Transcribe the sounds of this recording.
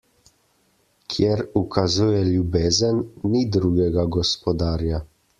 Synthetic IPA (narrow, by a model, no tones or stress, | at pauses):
kʰjɛɾukʰazuːjɛljubeːzənːid̪ɾuːɡɛɡaɡɔspɔd̪aːɾja